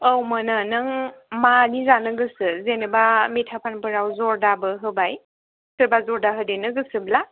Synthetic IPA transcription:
əwmənɯnɯŋmanizanɯɡɯsɯzenɯbametʰapʰanpɯɾawzɔɾdabɯɦɯbaj | tʰɯɾbazɔɾdaɦɯdenɯɡɯsɯbla

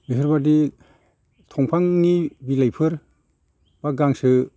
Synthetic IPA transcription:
miɦʰɯɾbadi | tʰɔŋpʰaŋnibilajpʰɯɾ | b̥aɡaŋsɯ

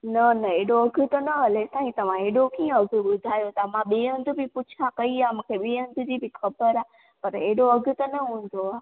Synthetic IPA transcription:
nɐnɐeːɽoɐɡʱʊt̪ənəɦəlesãːɦĩt̪ɐʋ̤ãeɽokiːə̃əɡʱɓʊd̪ʱaːjot̪amãɓeːə̃nd̪ʱbʱipʊt͡ʃʰakəiamũkʰeɓeːə̃nd̪ʱʊd͡ʑibʱɪkʰɐbəɾaː | pɐɾeːɽoəɡʱʊt̪ɐnəɦũn̆d̪oaː

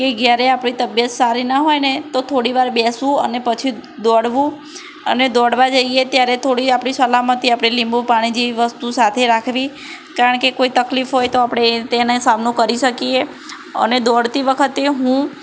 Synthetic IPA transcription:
keɡjaɾeapɽ̃it̪əbjət̪saɾinəɦojnet̪ot̪ʰoɽiʋaɾbɛsʋũə̰nepət͡ʃʰid̪ɔɽʋũ | ə̰ned̪ɔɽʋad͡ʒəiet̪jaɾet̪ʰoɽiapɽ̃isəlamət̪iapɽ̃elĩmbũpaɽ̃id͡ʒiiʋəst̪usat̪ʰeɾakʰʋi | kaɾəɳkekoit̪əklifɦojt̪oapɽ̃et̪enesamnokəɾiʃəkie | ə̰ned̪ɔɽt̪iʋəkʰət̪eɦũ

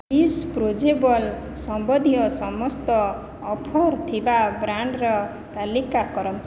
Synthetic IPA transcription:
ispɾod͡ʒebɔl | sɔmbɔd̪ʱijɔsɔmɔst̪ɔː | pʰɔɾt̪ʰibabɾaɳɖɾɔ | t̪alikakɔɾɔm

